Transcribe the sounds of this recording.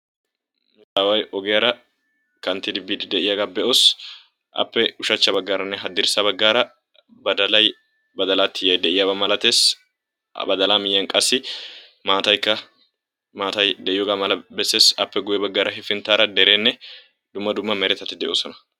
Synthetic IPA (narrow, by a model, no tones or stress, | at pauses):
nʊt̪ʼaːwɐjʔɔɡɛjɐɾɐ | kɐnt̪ːɪd̪ɪbiːd̪ɪd̪ɛʔɪjɐɡaːbɛʔoːs | ʔɐ̰pːɛʊʃɐt͡ʃːɐbɐɡːaːɾɐnːɛɦɐd̪ːɪɾsɐbɐɡːaːɾɐ | bɐd̪ɐlɐj | bɐd̪ɐlaːt̪ːɪjɐjd̪ɛʔɪjabɐmɐlɐt̪e̞ːs | bɐd̪ɐlaːmɪjːɐnkʼɐsːɪ | maːt̪ɐjkːɐ | maːt̪ɐjd̪ɛʔɪjɔɡaːmɐlɐbɛsːe̞ːsɐpːɛɡʊjɛbɐɡːaːɾɐɦɪfɪnt̪aːɾɐd̪ɛɾe̞ːnːɛ | d̪̥ʊmːɐd̪ʊmːɐmɛɾɛt̪ːɐt̪ːɪd̪ɛʔoːsɔnɐ